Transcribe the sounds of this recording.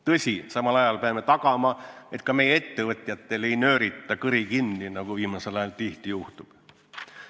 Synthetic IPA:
t̪ɤsʲisɑmɑlɑjɑlpeɑmːe̞t̪ɑkɑmɑe̞t̪kɑme̞jeet̪ːe̞vɤt̪ʲˑjɑt̪ːe̞le̞jnø̞ːɾit̪ˑːɑkɯɾikinːinɑɡ̥uviːmɑse̞lɑjɑlt̪iht̪ijuht̪ub̥

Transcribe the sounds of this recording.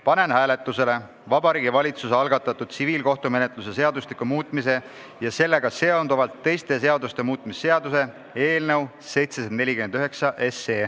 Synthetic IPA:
pɑne̞nɦæːle̞t̪ˑːuse̞le̞ | vɑbɑɾiːɡivɑlʲit̪suseɑlɡɑt̪ːˑɑt̪ːˑud̪̥̚siviːlko̞ht̪ume̞net̪luse̞se̞ɑd̪uslikumuːt̪ˑmise̞ | jɑse̞lːe̞ɡ̥ɑse̞ond̪uvɑlt̪ːe̞jst̪e̞se̞ɑd̪ust̪e̞muːt̪ːˑmisːe̞ɑd̪use̞ | e̞ːlnew | se̞jt̪sesend̪ne̞lʲikymend̪̥yɦe̞ksɑʔe̞seː

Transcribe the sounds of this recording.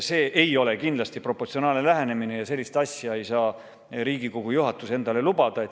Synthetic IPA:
se̞ːʔe̞jo̞le̞kind̪lɑst̪ipro̞pːo̞rt̪sioɑːlnelæɦenemine̞jɑse̞lʲːist̪ɑsʲjɑe̞jsɑː | ɾiːɡiko̞ɡ̥ujuɦɑt̪ːˑuse̞nd̪ɑle̞lubɑd̪̥ɑet̪

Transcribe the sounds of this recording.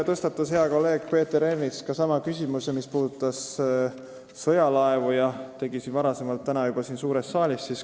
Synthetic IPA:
t̪ɤst̪ɑt̪ːˑɑshe̞ɑko̞lːe̞ːɡ̥pe̞ːt̪ːe̞ɾeniskɑsɑmɑkysʲimusemispuːd̪ut̪ːˑɑs | ɤjɑlɑevujɑt̪e̞ɡisinvɑɾɑse̞mɑlt̪ːænɑjub̥ɑsiːnsuːɾest̪sɑːlʲissis

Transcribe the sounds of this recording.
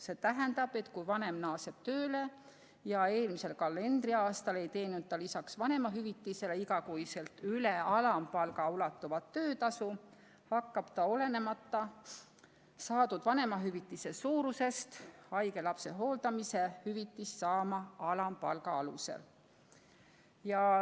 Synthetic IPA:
se̞t̪æɦænd̪ɑb̥e̞t̪kujvɑne̞mnɑːse̞b̥t̪øːle̞ | jɑe̞ːlmise̞lkɑlːe̞nd̪̥riɑːst̪ɑle̞jt̪e̞ːnud̪̥̚t̪ːɑlisɑksvɑne̞mɑɦyvit̪ːˑise̞leiɡɑkujse̞lt̪yle̞ɑlɑmpɑlɡ̥ɑulɑt̪ːˑuvɑt̪ːø̞ːt̪ɑsu | hɑkːɑb̥t̪ɑo̞le̞ne̞mɑt̪ːɑ | sɑːd̪ud̪̥vɑne̞mɑɦyvit̪ːˑise̞suːɾuse̞st̪ɑjke̞lɑpse̞ɦo̞ːld̪̥ɑmise̞hyvit̪ːˑisːɑːmɑɑlɑmpɑ̰lɡɑɑlṵse̞̰l | jɑ

